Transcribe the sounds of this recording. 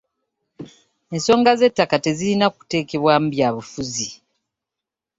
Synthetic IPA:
e̞nso̞ːŋɡaze̞tːakate̞ziɾinaku̥te̞ːke̞βwamubjaːβufuzi

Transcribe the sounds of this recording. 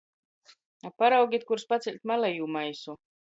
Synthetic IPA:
apːaɾawɡʲit̪̚kuɾspat̪silʲt̪ʲmalˠɛjuːmajsu

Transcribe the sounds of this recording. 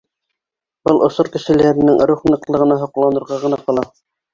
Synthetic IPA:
bɤlˠʔŏsoɾkɘ̆ʃɘ̆læɾɘ̆nɘŋɾuχnɤ̆qlˠɤ̆ʁɤ̆nɑɦŏqlˠɑnɤ̆ɾʁɑʁɤ̆nɑqɑlˠɑ

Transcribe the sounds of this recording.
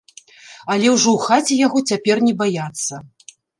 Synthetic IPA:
alʲɛwʐɔwxat͡sʲɛjaɣɔt͡sʲapʲɛrnʲɛbajat̪sːɐ

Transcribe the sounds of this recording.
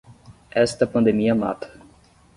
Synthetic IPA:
ɛst̪ɐpɐ̃nd̪emiɐma̰t̪ʰɐ̥

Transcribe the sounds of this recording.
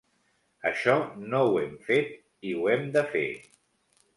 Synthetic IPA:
əʃɔnowɛmfet̪̚ | iwɛmd̪əfḛ

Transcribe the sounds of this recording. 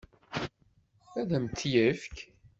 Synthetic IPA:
æðæmt̪ːjəfk

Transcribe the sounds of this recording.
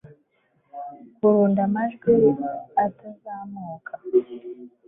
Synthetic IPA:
kuɾuːndamaʒɡiɾaatazaːmoːkʰa

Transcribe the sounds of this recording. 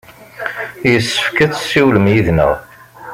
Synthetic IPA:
jəsːə̥fkəθsːiwləmjiðnə̰ʁ

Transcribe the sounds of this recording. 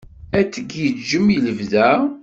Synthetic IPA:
æt͡sːəɡjət͡sd͡ʒəmjələvðæ

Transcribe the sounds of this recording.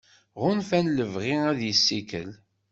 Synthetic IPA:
ʁʊnfænləvʁɪæðjəsːikə̰l

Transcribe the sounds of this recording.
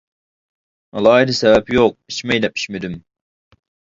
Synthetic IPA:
ɑlˠɑːid̪ɪsɛvɛpjoq̚it͡ʃmɛjd̪ɛpʰi̥t͡ʃmed̪ym

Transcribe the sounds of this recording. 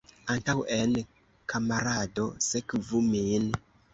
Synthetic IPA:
antawʔen | kʰamaɾadosekvumin

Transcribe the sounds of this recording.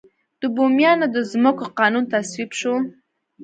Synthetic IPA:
d̪̥əbomjɑnad̪əzmʊkʰoqɑːnunt̪ʰaswipʃo

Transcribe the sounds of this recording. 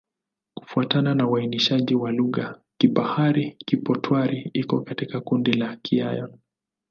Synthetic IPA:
ku̥fuatananawainiʃaʄiwaluɣakiɓahaɾikipɔtʰwaɾiikɔkatikakundilakʰia̰jɔn

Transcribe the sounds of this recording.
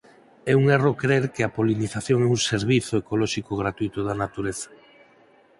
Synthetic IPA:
ɛuŋerokɾeɾkeapoliniθaθjoŋɛuŋseɾβiθoekolɔʃikoɣ̞ɾat̪uit̪oðanat̪uɾeθḁ

